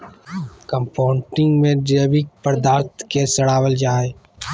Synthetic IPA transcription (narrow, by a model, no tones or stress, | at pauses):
kəmpʰaːɳʈɪ̃ŋɡmẽɖəbɪk̚pəɾd̪aːɾt̪ʰkesɐɽaːwəld͡ʒaːeː